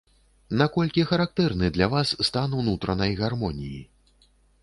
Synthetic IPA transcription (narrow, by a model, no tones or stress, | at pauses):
nakɔlʲkʲixɐɾak̚t̪ɛrnɨd̪lʲavasːt̪anwnut̪ɾɐnɐjɣarmɔnʲijḭ